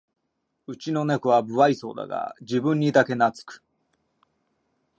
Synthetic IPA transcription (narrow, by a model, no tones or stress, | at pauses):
ɯ̟t͡ɕino̞nekɯ̟βabɯ̟βaiso̞̰ːd̪a̰ɡa̰d͡ʑibɯ̟̃ɲ̟ːid̪ake̞nat͡sɨ̥kɯ̥